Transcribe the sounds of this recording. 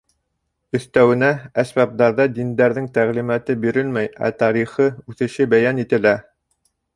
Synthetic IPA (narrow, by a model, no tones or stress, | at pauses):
ɵ̆θt̪æwɘ̆nææsbæp̚d̪ɑɾðɑd̪ind̪æɾðɘŋt̪æʁlimæt̪ɘbiɾɘlmæjæ̰t̪ɑɾiχɤʉθɘ̆ʃɘbæjænit̪ɘ̆læ